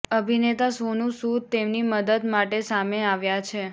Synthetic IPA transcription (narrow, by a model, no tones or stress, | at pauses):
əbʱinet̪asonũsut̪emniməd̪əd̪maʈesameaʋjat͡ʃʰe